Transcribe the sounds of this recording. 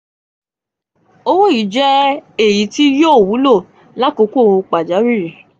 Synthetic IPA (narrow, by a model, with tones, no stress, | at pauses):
o˧wo˦i˨˦d͡ʒɛ˦e˨ji˨˦ti˦jo˦˨wu˨˦lo˦˨ | la˦ko˨˧˦ko˦˧k͡pa˨d͡ʒa˨˦ɾi˦˨